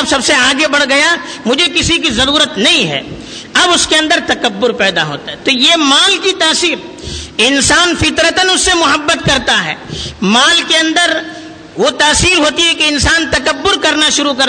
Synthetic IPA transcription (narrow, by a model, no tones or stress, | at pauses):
ɐbsɐbseaːɡebɐɽ̤ɡɐja | mʊd͡ʒʱekɪsik̬izɐɾuːɾət̪nɐɦĩɦɛ̰ː | ɐbʊskeɐ̃nd̪əɾt̪ɐkəbːʊɾpɛːd̪aɦo̰ːt̪aɦɛt̪ojemaːlkit̪aːsiːl | ɪnsaːnfɪt̪ɾət̪ənʊsːemʊɦəbːət̪̚kɐɾt̪aɦɛ̰ːmaːlkeɐ̃nd̪əɾ | ʋot̪aːsiːlɦoːt̪iɦɛkeɪnsaːnt̪ɐkəbːʊɾkɐɾnaʃʊɾuk̬ɐɾ